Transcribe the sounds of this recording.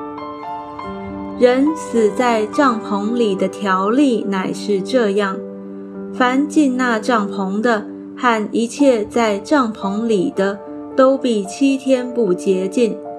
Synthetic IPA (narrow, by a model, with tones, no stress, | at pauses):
ɻə˧˥nsɹ̩˨˩t͡sa˥˧ɪʈ͡ʂɑ˥˩ŋpʰʊ˧˥ŋli˨˩d̪ə˦t̪ʰjɑ˧˥ʊli˥˩na˨˩ɪʂɻ̩˥˧ʈ͡ʂɤ˥˧jɑ˥˩ŋ | fa˧˥nt͡ɕi˥˧nna˥˧ʈ͡ʂɑ˥˩ŋpʰʊ˧˥ŋd̪ə˧ | xa˥˩ni˧˥t͡ɕʰjɛ˥˧t͡sa˥˧ɪʈ͡ʂɑ˥˩ŋpʰʊ˧˥ŋli˨˩d̪ə˦ | t̪o˥ʊpi˨˩t͡ɕʰi˥t̪ʰjɛ˥npu˥˩t͡ɕjɛ˧˥t͡ɕi˥˩n